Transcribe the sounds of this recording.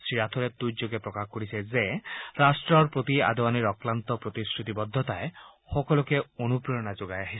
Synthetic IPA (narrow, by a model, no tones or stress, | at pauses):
sɾiɾat̪ʰɔɾet̪ujd͡ʒoɡepɾɔkaxkoɾisezeɾasʈɾɔɹpɾot̪ia̰d̪ʱɔwaniɾɔklant̪ɔpɾot̪iskɾut̪ibɔd̪ʱːɔt̪aexɔkɔlɔkeonupɾɔjɔnad͡ʒoɡajaɦis